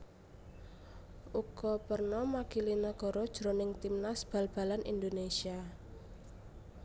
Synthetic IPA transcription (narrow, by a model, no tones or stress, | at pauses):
ʔukɔpərnɔmakilinəɡ̥ɔ̤ɾɔd̥ʒ̥ɾonɪŋt̪imnasb̥a̤lb̥a̤lanḭnd̪onesia